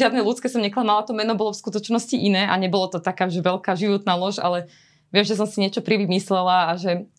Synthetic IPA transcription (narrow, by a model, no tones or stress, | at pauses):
ɪad̪nɛlut̪t͡skɛsɔmɲɛklamalat̪ɔmɛnɔbɔlɔfskut̪ɔt͡ʃnɔsciʔinɛːʔaɲɛbɔlɔt̪ɔt̪akaːʒɛʋɛlkaːʒiʋɔt̪naːlɔʃa̰lɛ | ʋɪɛmʒɛs̬ɔmsiɲɪɛt͡ʃɔpɾiʋimislɛlaːʒɛ